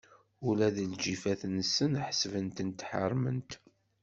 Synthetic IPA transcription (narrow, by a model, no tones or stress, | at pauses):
ulæðəld͡ʒifæθnəsːənħəsvənt̪ənt̪ħə̰ɾˤːmə̰nt̪